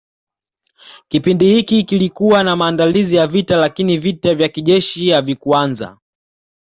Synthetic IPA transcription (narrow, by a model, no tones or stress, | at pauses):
kipindihikikilikuwanamaːndalizijavitalakinivitavjakiʄɛʃijavikwanza̰